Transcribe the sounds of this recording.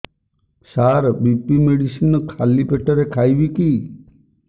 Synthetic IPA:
saɾbipimeɽisinɔkʰalipeʈɔɾekʰajbiki

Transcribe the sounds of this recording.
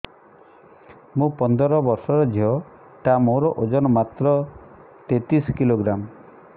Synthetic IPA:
mũpɔnd̪ɔɾɔbɔɾsɔɾɔd͡ʒʱiɔ | ʈ̪amoɾɔʔod͡ʒɔnɔmat̪ɾɔ | t̪et̪iskiloɡɾam

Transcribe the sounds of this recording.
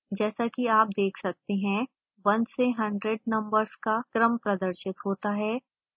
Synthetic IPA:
d͡ʒɛːsakiaːp̚d̪eːkʰsɐk̚t̪eɦɛ̃ | bɐ̃nd͡ʒseɦɐ̃ɳɖɾeɖ̚nɐ̃mbəɾzkakɾəmpɾɐd̪əɾʃɪt̪ɦoːt̪aɦɛː

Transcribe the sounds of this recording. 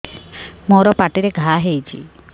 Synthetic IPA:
moɾɔpaʈiɾeɡʱaɦejt͡ʃʰḭ

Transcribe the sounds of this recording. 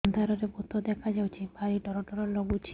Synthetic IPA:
nd̪ʱaɾɔɾebot̪od̪ɛkʰad͡ʒawt͡ʃʰibaɾiʈɔɾɔʈɔɾɔɾlɔɡut͡ʃʰi

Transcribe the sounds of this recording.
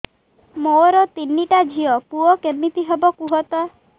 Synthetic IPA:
moɾɔt̪inːiʈad͡ʒʱiɔpuɔkemit̪iɦebɔkuɦɔt̪ɔ

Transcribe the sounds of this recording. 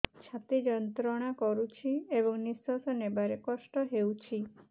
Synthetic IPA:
t͡ʃʰat̪id͡ʒɔnt̪ɾɔɽ̃akɔɾut͡ʃʰiebɔŋnisɔsɔnebaɾekɔsʈɔɦewt͡ʃʰi

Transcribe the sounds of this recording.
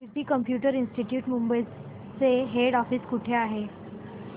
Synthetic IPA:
iʈiːkəmpjuʈəɾinsʈiʈjuːʈmumbəj | t͡seɦeɽɔfiːskuʈʰeaɦe

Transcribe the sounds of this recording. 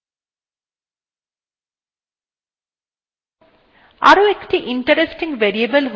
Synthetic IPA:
a̰ɾoekʈiʔiɳʈɐɾesʈiŋɡʋeɾiebəlɦ

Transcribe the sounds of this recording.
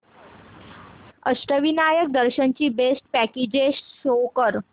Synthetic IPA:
əɕʈəʋinajək̚d̪əɾɕənt͡ɕiːbesʈ̚pæked͡ʑesːokəɾ

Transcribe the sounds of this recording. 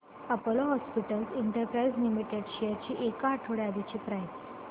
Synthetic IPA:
əpəloɦɔspiʈəlsiɳʈəɾpɾaid͡zlimiʈeɖɕejɾt͡ɕiːʔekaːʈʰoɽad̪it͡ɕiːpɾajt̪ː

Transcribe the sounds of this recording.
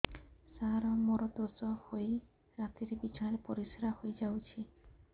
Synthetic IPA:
saɾɔmoɾɔd̪oɾd͡ʒɔhoj | ɾat̪iɾebit͡ʃaaɽepɔɾisɾahojd͡ʒawt͡ʃʰi

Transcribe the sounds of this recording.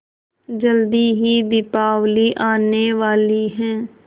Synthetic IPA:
d͡ʒəld̪iːɦiːd̪ɪpaːʋliːʔaːneːʋaːliːɦɛ̃ː

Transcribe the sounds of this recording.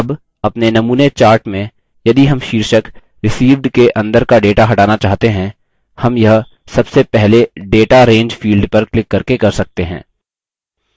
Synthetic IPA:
ɐb | ɐpnenɐmuːnet͡ʃaːɾʈmẽ | jɐd̪iɦɐmʃiːɾʃək | ɾɪsiːʋɖkeʔɐ̃nd̪əɾkaɖeːʈaɦɐʈaːnat͡ʃaːɦt̪eɦɛ̃ | hɐmjɐɦ | sɐbsepɛɦleɖeːʈaɾẽːɲd͡ʒfiːlɖpɐɾklɪkːɐɾkekɐɾsɐk̚t̪eɦɛ̰̃ː

